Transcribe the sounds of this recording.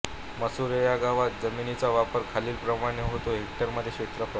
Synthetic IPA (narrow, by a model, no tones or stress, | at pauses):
məsuɾejaɡaʋat̪̚d͡zəminit͡saʋapəɾkʰaliːlpɾəmaɽ̃eɦot̪oɦek̚ʈəɾməd̪ʱːjeɕet̪ɾəfə